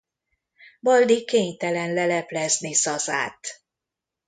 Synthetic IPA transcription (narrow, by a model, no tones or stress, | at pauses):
bɒld̪ikeːɲt̪ɛlɛnlɛlɛplɛznisɒza̰ːt̪